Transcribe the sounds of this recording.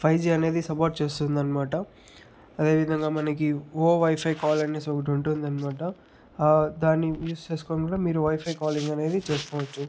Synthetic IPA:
pʰɐjd͡ʒiːɐne̞ːd̪isɐpoːɾʈt͡ʃe̞ːst̪und̪ɐnimaːʈɐ | ɐd̪e̞ːʋid̪ʱɐŋɡaːmɐnɐkioːʋɐjpʰɐjkaːlɐnesoɡɐʈ̬uɳʈund̪ɐnimaːʈɐ | d̪aːnːijuːst͡ʃe̞ːsu̥koːnkuːɽaːmiːɾuʋɐjpʰɐjkaːliŋɡɐne̞ːd̪it͡ʃe̞ːskoːʋɐt͡ʃːu

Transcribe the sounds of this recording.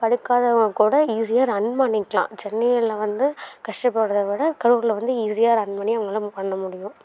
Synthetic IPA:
pɐɽɯkːaːðɐʋɐŋɡɐkuːɽɐiːsɪjaːɾɐnmaːnɪkːlã̰ːt͡ʃɛnːɐjɐlɐʋɐnd̪ɯkɐʂʈɐpːɐɽɯðɐʋɪɽɐkɐɽɯːɾlɐʋɐnd̪ɯiːsɪjaːɾɐnmaːniɐʋɐŋɡɐɭɐpɐnːɐmʊɽɪjʊ̃

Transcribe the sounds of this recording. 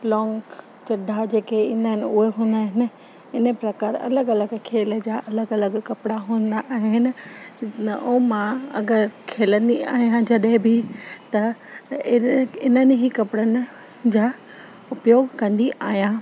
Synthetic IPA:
lɔ̃ːŋɡ | t͡ɕɐɖʱad͡ʑeːkeĩːnd̪aːɦɪnɪʊɦeɦũːnd̪aːɦɪnɪ̆ | ɪnəpɾɐkaːɾɐ̰ləɡɐləɡkʰeːld͡ʑaːʔɐləɡɐləɡkɐpɪɽaɦũːnd̪aʔːɦɪnɪ̆ | oːmãɐ̰ɡəɾkʰeːlə̃nd̪ia̰ːɦijãd͡ʑɐɗɦɪ̃bɪt̪ɐɪɪnənɪɦiːkɐpɪɽənɪ̆ | d͡ʑaː | ʊpjoːɡkɐ̃nd̪iʔaːɦijã

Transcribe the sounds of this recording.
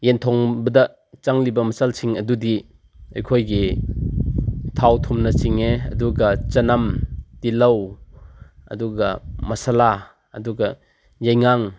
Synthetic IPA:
jentʰɔŋbɐdɐ | t͡ʃaŋlibɐmɐsalsʰiŋɐdudi | ɐjkʰojɡi | tʰawtʰumnɐsiŋeɐ̰duɡɐt͡ʃɐnɐmtilɐw | ɐ̰duɡɐmɐsala | ɐ̰duɡɐ | jajŋaŋ

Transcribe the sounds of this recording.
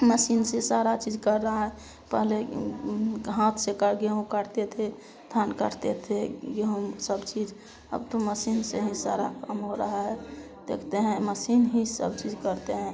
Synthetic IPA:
məsinsesaɾat͡ʃid͡ʒkəɾːəɦɛ | pəɦle | ɦãt̪ʰsekəɾɡeũkəɾt̪et̪ʰe | t̪ʰankəɾt̪et̪ʰeɡeũsəbt͡ʃid͡ʒ | ə̰bt̪oməsinseɦĩsa̰ɾa̰kəmɦoɾəɦəɦɛ | d̪̥ekʰt̪eɦɛ̃məsinɦĩsə̰bt͡ʃid͡ʒkəɾt̪eɦɛ̃

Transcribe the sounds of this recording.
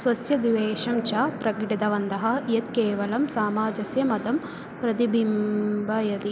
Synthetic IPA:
sʋɐsjɐd̪iʋeːʃɐmt͡ʃaːpɾɐkʈit̪ɐʋɐnt̪ɐɦɐjɐt̪̚keːʋɐlɐmsaːmaːd͡ʒɐsjɐmɐd̪ɐm | pɾɐt̪ibʱimbɐjɐt̪i

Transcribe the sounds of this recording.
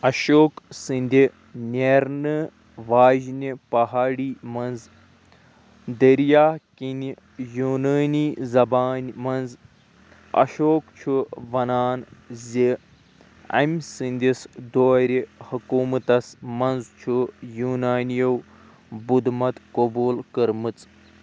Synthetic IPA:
ɐʃoːksɨnʲd̪ʱi | nʲeɾnɨ | ʋaːʒnipɐɦaːɽiːmɐnz | d̪ɐɾjaːkini | juːnɐːniːzɐbaːnmɐnz | ɐ̰ʃoːkt͡ʃʰuʋɐnaːnzʲi | ɐ̰mʲsɨnʲd̪isd̪oːɾʲihɐkuːmɨt̪ɐsmɐnzt͡ʃʰujuːnaːnjɐw | bud̪mɐt̪koboːlkɐɾmɨt͡s

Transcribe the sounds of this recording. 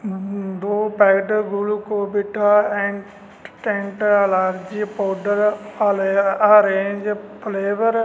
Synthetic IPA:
d̪oːpɛːɡɖɡulkoːbɪʈʰaːɛ̃ɳ | ʈẽɳʈɐlaːɾd͡ʒiːpoːɖəɾ | aɾẽːɲd͡ʒpleːʋəɾ

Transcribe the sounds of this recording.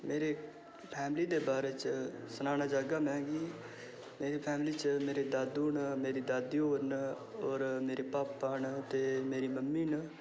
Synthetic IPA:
meːɾeː | pʰɛːmliːd̪eːbaːɾeːt͡ʃsənaːnaːd͡ʒaːɡaːmɛ̃ːɡiː | meːɾiːpʰɛːmliːt͡ʃmeːɾeːd̪aːd̪uːnmeːɾiːd̪aːd̪ioːɾn | ɔːɾmeːɾeːpaːpːaːnt̪eːmeːɾiːməmːiːnə

